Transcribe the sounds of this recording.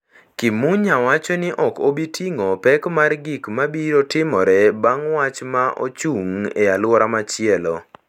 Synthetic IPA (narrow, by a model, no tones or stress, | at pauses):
kimuɲawat͡ʃɔnɪʔɔkobitʰiŋɔpɛkmarɡikmabiɾotɪmɔɾɛbaŋwat͡ʃmaʔo̰t͡ʃuŋealwɔɾamat͡ʃɪɛlɔ̰